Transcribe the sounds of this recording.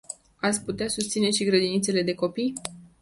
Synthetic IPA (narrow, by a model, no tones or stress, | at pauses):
at̪sʲput̪easust̪sine̞ʃiɡɾəd̪init̪se̞le̞d̪e̞ko̞pij